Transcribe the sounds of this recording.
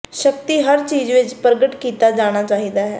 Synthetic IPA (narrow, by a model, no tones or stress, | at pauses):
ʃəkt̪iːɦəɾt͡ʃiːd͡ʒʋɪt͡ʃpəɾɡəʈkiːt̪aːd͡ʒaːɽ̃aːt͡ʃaːɦiːd̪aːɦɛː